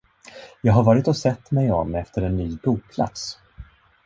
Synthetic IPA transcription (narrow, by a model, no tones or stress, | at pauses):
jɑːɡɦaɾvɑːɾɪt̪ɔsɛt̪ːmɛjɔmɛft̪əɾɛnːyːbuːk̚pʰla̰t̪s